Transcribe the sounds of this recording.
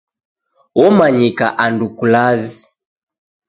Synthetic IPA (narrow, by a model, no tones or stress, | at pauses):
wɔmaɲikaʔandukulazi